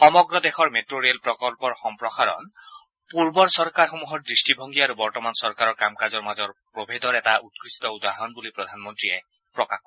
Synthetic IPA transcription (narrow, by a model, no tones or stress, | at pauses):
xɔmɔɡɹɔd̪exɔɹmetɹoɹiɛlpɹɔkɔlpɔɹxɔmpɹɔxaɹɔ̰n | puɹbɔɹsɔɹkaɹxomuɦɔɹdɹisʈibʱɔŋɡiaɾubɔɹtɔmansɔɹkaɹɔɹkamkazɔɹmazɔɹpɹobʱed̪ɔɹɛtaut̪kɹist̪ɔud̪aɦɔnbulipɹɔd̪ʱanmɔntɹiɛ | pɹɔkakɔ